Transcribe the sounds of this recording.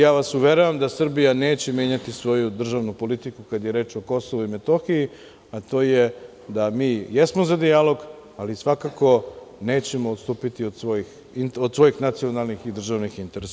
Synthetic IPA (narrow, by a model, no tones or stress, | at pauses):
jaːʋasuʋeɾuʋamd̪asr̩bijane̞ːt͡ɕemje̞ɲat̪isʋo̞jud̪r̩ʒaʋnupo̞lit̪ikukad̪je̞ɾe̞ːt͡ʃoko̞soʋuimet̪o̞xii | at̪o̞ːje | d̪amiːjesmozad̪ialo̞ɡ | alisʋakako̞ne̞ːt͡ɕe̞moot̪st̪uːpit̪iod̪sʋo̞jix | inod̪sʋo̞jixnat̪sio̞nalˠnixid̪r̩ʒaʋnixint̪eɾes